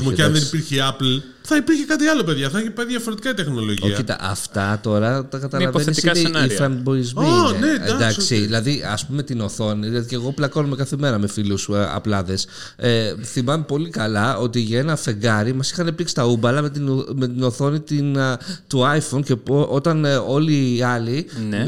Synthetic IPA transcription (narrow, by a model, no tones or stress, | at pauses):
oeɐnðenipiɾçeɐpl | θɐipiɾçekɐt̪iɐlo̞pe̞ðʝɐθɐiçepɐðʝɐfoɾet̪i̥kɐit̪exno̞lo̞ʝoçit̪ɐ̰ʔɐ̰ft̪ɐt̪o̞ɾɐt̪ɐkɐt̪ɐllɐvoenθeist̪iiɐnenfɾɐnbo̞izmineḛd̪ɐd̪ɐkssiðilɐðiɐspumemet̪ino̞θo̞niðilɐðice̞ɣo̞plɐko̞numekɐθime̞ɾɐme̞filusɐ̰plɐðe̞s | eθimɐmepo̞likɐlɐo̞t̪iʝɐenɐfe̞ŋɡɐɾimɐsi̥xɐnepliksi̥t̪ɐubɐlɐmet̪ime̞t̪ino̞θo̞nit̪int̪uɐjfoncepʔo̞t̪ɐno̞liːɐlin